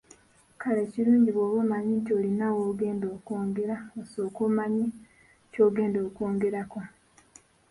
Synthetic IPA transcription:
kaleːciɾuːɲɟiβwoːβumaɲintio̞ːlinawoːɡe̞ːndoːkoːŋɡe̞ɾaoso̞ːkumaɲi | co̞ːɡe̞ːndo̞ːkoːŋɡe̞ɾako

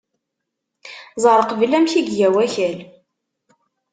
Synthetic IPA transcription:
zˤəɾˤqəvlæmçiɡjæwæçæl

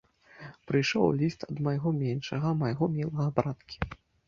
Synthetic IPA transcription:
pɾɨjʂɔ̰wlʲist̪ɐd̪mɐjɣɔmʲɛnʂɐɣɐmɐjɣɔmʲɛlˠɐɣɐbɾat̪kʲi̥

